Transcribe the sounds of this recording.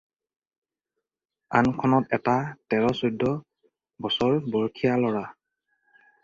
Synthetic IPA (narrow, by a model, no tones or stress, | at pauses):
ankʰɔnɔtɛtatɛɹɔsudʱːɔ | bɔsɔɹbɔɹkʰijalɔɹa